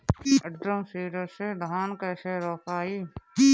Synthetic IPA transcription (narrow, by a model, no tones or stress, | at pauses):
ɐɖɾəmsiːɾəɾsed̪ʱaːnkɛːseɾɔːkʰaːiː